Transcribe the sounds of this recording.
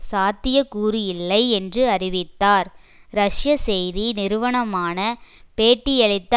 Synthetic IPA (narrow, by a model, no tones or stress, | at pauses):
saːt̪ːɪjɐkuːɾijɪlːɐɪɛndrɯɐɾɪʋɪt̪ːaːɾ | ɾɐʂjɐsɛjðinɪɾɯʋɐɳɐmaːnɐ | peːʈːɪjɛɭɪt̪ːɐ